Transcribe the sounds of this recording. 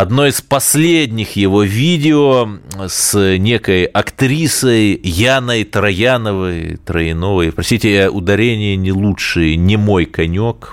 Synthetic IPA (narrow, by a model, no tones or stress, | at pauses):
ɐd̪no̞ɪspɐsʲlʲedʲnʲɪxjɪvo̞vʲidʲɪosnʲe̞kəjɐkt̪ɾʲisəjjanəjt̪ɾɐjanəvəjt̪ɾəɪnovəjpɾɐsʲt̪ʲitʲɪʔʊ̰d̪ɐɾʲenʲɪjənʲɪlˠutʂɨjənʲɪmo̞jkɐnʲok